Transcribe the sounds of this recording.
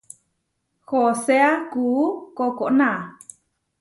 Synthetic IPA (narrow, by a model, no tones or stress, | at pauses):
hoseakuukokoʔnã